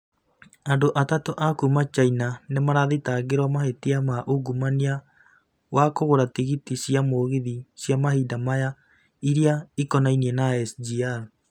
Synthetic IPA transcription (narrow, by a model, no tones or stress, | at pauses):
andoʔatatoʔakumat͡ʃainanemaɾaðetaɣeɾwamaɦetiamaʔoɡumania | wakoɣoɾatiɣitisiamoːɣiðisjamaɦidamaja | iɾiaikɔnainiɛnaɛsd͡ʒiaɾ